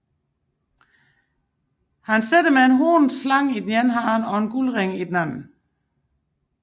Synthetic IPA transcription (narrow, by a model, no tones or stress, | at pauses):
hænsed̥əmeenɦoːnslɑ̈ŋ̰id̥njenɦɑːnɒ̽e̝nɡ̥ulʁeŋid̥næn̰n̩